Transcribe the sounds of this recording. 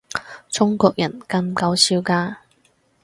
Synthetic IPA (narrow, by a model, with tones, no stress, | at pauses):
t͡sʰʊ˥ŋkɔː˧k̚jɐ˨˩nkɐ˧ŋkɐ˨˧wsiː˧wkaː˧